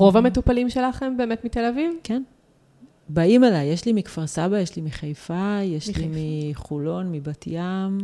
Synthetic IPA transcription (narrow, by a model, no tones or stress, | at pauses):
ʁo̞vamet̪upalimʃe̞laχe̞mbe̞ːmet̪mit̪e̞lavivken | baimalajːeʃlimikfaʁsabajeʃlimiχajfajeʃlimiχulo̞nmibatjam